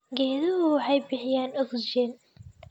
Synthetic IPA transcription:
ɡɛːðɐɣʊwɑħɑjbɪħɪjaːnɔɡd͡ʒɛːn

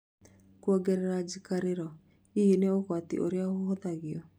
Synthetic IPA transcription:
kwɔɡɛɾɛɾad͡ʒikaɾeɾɔ | ijeneoɣwatḭʔo̰ɾjaɣooðaɣiɔ

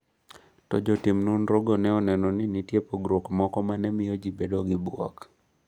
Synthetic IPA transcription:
tɔ̰d͡ʒɔtimnunɾoɡonɛɔnɛnɔnɪnitjepoɡɾokmɔkɔmanɛmɪjɔd͡ʒibedoɡɪbwɔ̰k

